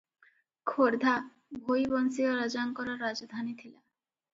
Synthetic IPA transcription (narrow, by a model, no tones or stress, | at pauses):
kʰoɾd̪ʱa | bʱojbɔnsioɾad͡ʑaŋkɔɾaɾːad͡ʑd̪ʱanit̪ʰila